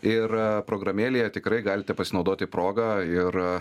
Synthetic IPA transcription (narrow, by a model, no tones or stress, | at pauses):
ɪrpɾoːɡɾɐmʲeːlʲejɛt̪ʲɪkɾɐɪɡɑːlʲɪt̪ʲɛpɐsʲɪnɐʊd̪oːt̪ʲɪpɾoːɡɐɪr